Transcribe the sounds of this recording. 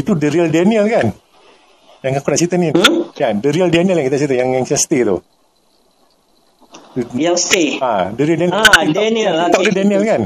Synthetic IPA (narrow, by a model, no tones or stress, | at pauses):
it̪udəɾiəldeniəlkan | jaŋakunaʔt͡ʃit̪anijadəɾiəldeniəljaŋkit̪at͡ʃit̪ajaŋɛŋt͡ʃɛst̪it̪ṵ | uast̪eadəɾiəldenidaeniəlt̪adədeniəlkan